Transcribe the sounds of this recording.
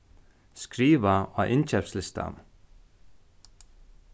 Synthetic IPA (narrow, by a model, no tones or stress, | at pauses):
skɾiːʋaa̰ʔɪnt͡ʃɛpslɪst̪a̰n